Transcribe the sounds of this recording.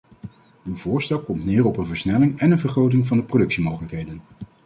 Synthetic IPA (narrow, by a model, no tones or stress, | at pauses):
ywvʊːɹstɛlˠkɔmtnɪːrɔpənvəɹsnɛlɪŋɛnənvəɹχrowt̬ɪŋvɑndəprodɵksimowχələkɦejdən